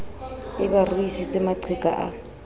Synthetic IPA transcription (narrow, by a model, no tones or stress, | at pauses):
ɪbarisɪt͡sʼɪmaǀʰɪkʼa̰ʔa